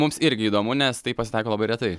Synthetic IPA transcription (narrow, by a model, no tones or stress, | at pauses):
mʊmsɪɾʲɡʲɪiːd̪oːmʊnʲɛst̪ɐɪpɐsʲɪt̪ɐˑɪkoːlˠɐbɐɪɾʲɛt̪ɐɪ